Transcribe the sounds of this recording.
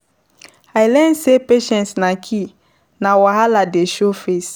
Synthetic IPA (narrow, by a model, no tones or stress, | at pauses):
ajlɛnsepeʃɛ̃ntsnãkʰi | nãwaɦaladeʃofes